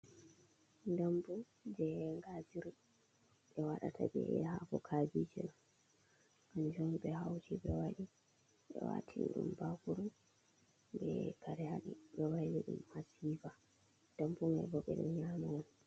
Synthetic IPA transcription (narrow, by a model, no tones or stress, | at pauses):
ndambu | d͡ʒɛŋɡad͡ʒiɾi | ɓɛwaɗa̰tʰabɛ̰ɛhakɔkʰaːd͡ʒid͡ʒɛna | and͡ʒɔmbɛhawt͡ʃiɓɛwaɗi | ɓɛ̰wa̰tʰinɗṵmbakuɾu | bɛkaɾɛjaɗiɓɛwajlɛɗṵmhasiːfa | d̥ambuŋa̰bɔkɛɗɛ̰mɲaman